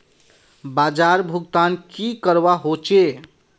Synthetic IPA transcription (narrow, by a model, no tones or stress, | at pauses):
bad͡ʒaɾbʱuɡt̪ankikəɾbaɦot͡ʃe